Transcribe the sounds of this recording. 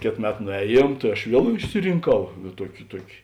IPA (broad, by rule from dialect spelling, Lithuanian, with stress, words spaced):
ˈkʲeːt ˈmʲɛt nʊˈɛːˌjiɛm tɐɪ ɐʃ ˈʋʲiɛlˠ ɪʃʲsʲɪrʲɪŋˈkɐʊ ˈtuɔkʲɪ ˈtuɔkʲɪ